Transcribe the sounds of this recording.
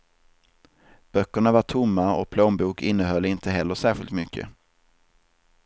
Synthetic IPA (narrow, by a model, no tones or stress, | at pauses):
b̥œkːəɳavaʈʰʊmːaɔ̰k̚pʰloːnbuːkɪnːəɦœlːɪnt̪ʰəɦɛlːəʂæːɾɧɪlt̪mʏkʰːə̰